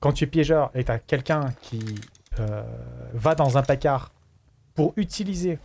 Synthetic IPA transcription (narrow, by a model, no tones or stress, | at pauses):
kɑ̃t̪yɛpjɛʒœːʁet̪yakʲɛlkʲɛ̃kʲʰi | ø | vad̪ɑ̃zɛ̃plakaːʁ | puʁyt̪ʰilize